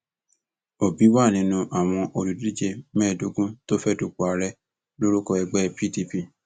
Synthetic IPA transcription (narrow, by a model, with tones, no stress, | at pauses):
o˨bi˨˦wa˦˨nĩ˨˦nũ˧ʔa˨w̃ɔ̃˧ʔo˧ɾu˨di˦d͡ʒe˧mɛ̃ː˦˨do˨˦ɡũ˦to˦fɛ˦du˧k͡pu˨a˨˧˦ɾɛ˦ | lo˦ɾu˦kɔ˧ɛ˧ɡ͡bɛ˦pi˦˨di˧pi˦˨